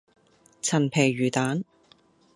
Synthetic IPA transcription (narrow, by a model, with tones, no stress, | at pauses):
t͡sʰɐ˨˩npʰɛː˨˩jɥyː˨˩t̪aː˨˥n